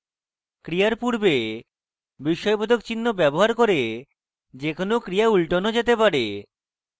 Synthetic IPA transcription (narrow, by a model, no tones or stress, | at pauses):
kɾijaɾpuɾbe | biʃːɔjbod̪ʱokt͡ɕinːobɛboɦaɾkoɾe | d͡ʑekonokɾiaulʈonod͡ʑet̪epaɾe